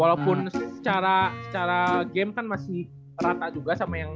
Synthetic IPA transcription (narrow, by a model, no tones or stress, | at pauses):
walaupʊnsə̥t͡ʃaɾasə̥t͡ʃaɾaɡɛmkanmasɪh | ɾat̪ad͡ʒuɡasamajaŋ